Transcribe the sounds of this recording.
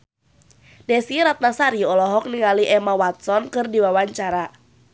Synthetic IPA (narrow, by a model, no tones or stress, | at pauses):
dɛsiɾat̪̚nasaɾiɔlɔɦɔk̚niŋaliʔɛmawat̪̚sɔnkɨrdiwawaɲt͡ʃaɾa